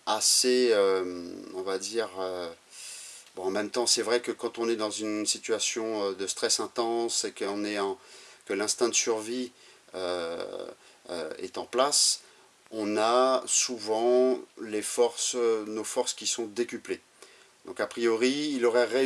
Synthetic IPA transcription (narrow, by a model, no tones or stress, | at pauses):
aseøɔ̃vad̪iːʁø | bɔ̃ɑ̃mɛmt̪ɑ̃sɛvʁɛkəkɑ̃t̪ɔ̃nɛd̪ɑ̃zynsit̪yasjɔ̃ød̪əst̪χɛsɛ̃t̪ɑ̃sekəɔ̃nɛɑ̃kəlɛ̃st̪ɛ̃d̪əsyʁvi | ø | ɛ̰t̪ɑ̃plas | ɔ̃nasuvɑ̃lefɔʁsnofɔʁskʲisɔ̃d̪ekʲyple | d̪̥ɔ̃kapχijɔʁiːlɔʁɛʁe